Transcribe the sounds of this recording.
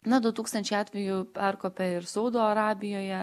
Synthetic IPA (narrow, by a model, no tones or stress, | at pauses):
nɐd̪ʊt̪uːkst̪ɐnʲt͡ʃʲɛɪɑːt̪ʲʋʲɛjupʲæɾkoːpʲɛɪɾsɐʊd̪oːɐɾɑːbʲɪjoːjɛ